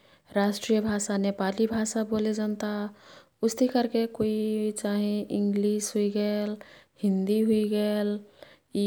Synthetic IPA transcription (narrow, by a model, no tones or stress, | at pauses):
ɾasʈɾijəbʱaːsanepalibʱasaboːled͡ʒənt̪a | ʊst̪ʰikəɾkekoit͡ʃaːɦĩʔɪ̃ŋɡlisɦuiɡəːlhɪ̃nd̪iɦuiɡəːl